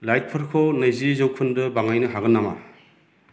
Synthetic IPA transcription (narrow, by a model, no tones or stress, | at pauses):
lajt̚pʰɯɾkʰonɐjzizowkʰundɐbaŋajnɯɦaɣɐnːama̰